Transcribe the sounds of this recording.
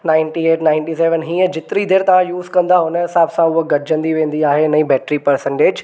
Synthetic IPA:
naːɪ̃nʈieːʈnaːɪ̃nʈiseːʋənɦiːə̃d͡ʑɪt̪ɪɾid̪eːɾt̪ɐʋ̤ãjuːzkɐ̃nd̪aɦʊnəɦɪsaːbsãʊɦoɡɐʈɪd͡ʑə̃nd̪iʋẽːn̆d̪iaːɦenɐĩbɛːʈɾipɐɾsə̃ɳʈeːd͡ʑ

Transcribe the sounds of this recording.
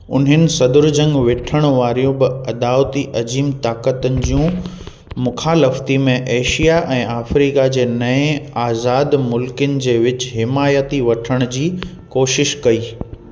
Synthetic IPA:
ʊ̰nɦɪnɪ̆sɐd̪ʊɾd͡ʑɐ̃ŋɡʋeːʈʰəɽ̃ʋaːɾijũbɪɐd̪aːʋt̪iʔɐd͡ʑiːmt̪aːkət̪ənɪ̆d͡ʑijũ | mʊxʰaːləft̪imẽʔeːʃijaʔɛ̃ːaːfɾiːkad͡ʑeːnɐẽaːzaːd̪mʊlkənɪ̆d͡ʑeːʋɪt͡ɕɦɪmaːjət̪iʋɐʈʰəɽ̃d͡ʑiː | koːʃɪʃkɐiː

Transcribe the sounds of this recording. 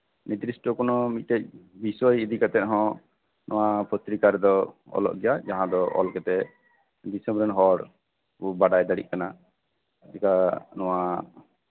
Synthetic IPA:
nit̪ɾisʈɔkɔnɔmic̪̚t̪ɛc̚bisɔjid̪ikat̪ɛt̪̚ɦɔ̃ | nʔɔwapɔt̪ɾikaɾɛd̪ɔɔ̰lɔ̰ʔɡɛjad͡ʒaɦãd̪ɔʔɔ̰lkɛt̪ɛ | d̪isɛ̃mbɾɔnɦɔɾ | ubaɖajd̪aɽḭʔ̚kana | t͡ʃikanɔwa

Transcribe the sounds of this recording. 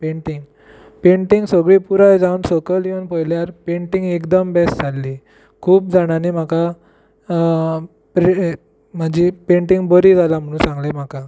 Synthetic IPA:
peɳʈiŋɡ | peɳʈiŋɡsəɡɭipuɾajd͡zaunsokəljenpəjljaɾpeɳʈiŋɡekd̪əmbɛsʈd͡zalːiː | kʰuːp̚d͡zaɽ̃anim̤aka | pɾe | mad͡ʑipeɳʈiŋɡbəɾiːd͡zalam̤əɽ̃ũnsãŋɡlem̤aka

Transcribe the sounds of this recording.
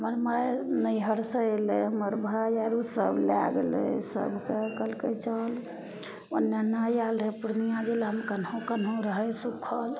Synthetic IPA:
ɦəməɾmajnəjɦəɾsəeleɦəməɾbʱajaɾusəbla̰ɡlḛsə̰bʱkekəlket͡ʃəl | onːenajalɾɦepuɾnijãd͡ʒelɦəmkənɦõkənɦõɾəɦɛsukʰːəl

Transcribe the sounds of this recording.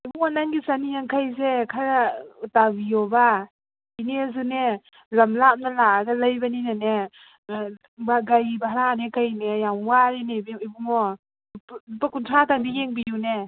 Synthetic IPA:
ibuŋɔnanɡisanijaŋkʰajzekʰaɾatabijɔba | iniazune | lamlap̚nalaaɡalajbaninane | baɡajbaɦaɾanekajnejaŋwaɾenebibuŋɔ | pakuntʰataŋbijeŋbijune

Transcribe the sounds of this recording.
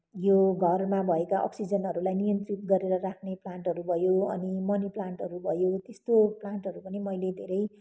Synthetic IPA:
joɡʱʌrmabʱʌekaʔʌ̰ksid͡zʌnɦʌɾulajnijʌnt̪rit̪̚ɡʌɾeɾʌɾakʰneplaɳʈɦʌɾubʱʌjoʌnimʌniplaɳʈɦʌɾubʱʌjot̪est̪oplaɳʈɦʌɾupʌnimʌjled̪ʱeɾʌj

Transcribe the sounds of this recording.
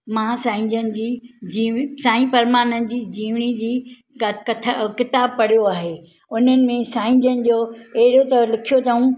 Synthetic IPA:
mãːsãːɪ̃ɲd͡ʑənɪ̆d͡ʑiːd͡ʑiːʋsãːĩpɐɾmaːnənɪ̆d͡ʑiːd͡ʑiːʋɽ̃id͡ʑiː | kkɐkɪt̪aːb̚pɐɽ̤ijoaːɦeː | ʊn̤ənɪ̆mẽsaːɪ̃ɲd͡ʑənɪ̆d͡ʑoːɐɦɪɽot̪ɐlɪkʰijot̪ʰɐɦũ

